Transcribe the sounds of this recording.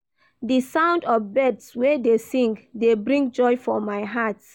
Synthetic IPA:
disãʊ̃ndɔfbɛdswedesĩŋkdebɹĩŋɡd͡ʒɔɪfɔmaɪɦat

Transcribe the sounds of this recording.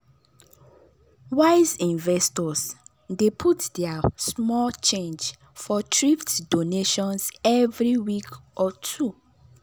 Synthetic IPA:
waɪzĩnvɛstɔs | depʰutdɛasmɔlt͡ʃẽnd͡ʒ | fɔtɹiftdoneʃɔ̃nsɛvɹiwikʔɔtʰu

